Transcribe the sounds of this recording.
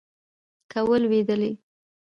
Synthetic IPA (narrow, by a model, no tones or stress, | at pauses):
kawəlwed̪əli